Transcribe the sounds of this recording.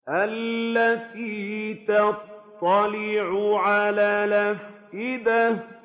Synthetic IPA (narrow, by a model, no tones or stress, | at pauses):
ʔalːat̪iːt̪ɑt̪ˤːɑlɪʕʊʕalaːlafsɪd̪a